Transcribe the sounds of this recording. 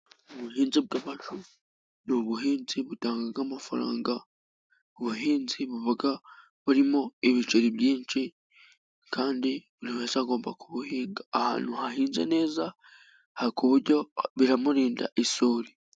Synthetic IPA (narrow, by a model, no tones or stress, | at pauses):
uβuɦiːnzib̚ɡaβaʒu | nuβuɦiːnziβutaːŋɡaɡamafaɾa̰ːŋɡa | uβuɦiːnziβuβaɡa | βuɾimo̞eβit͡ʃeɾiβjiːnt͡ʃi | kaːndiβuɾiheːzaːɡo̞ːmbakuβuhiːŋɡaːha̰ːn̤huhahiːnze̞̰ne̞ːza | haɾikuβuɾɟo̞βiɾamuɾiːnda̰ʔisoːɾi